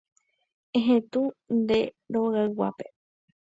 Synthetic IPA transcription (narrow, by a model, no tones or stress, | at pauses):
ẽɦẽt̪und̪e̞ | ɾoɣaɨwa̰pe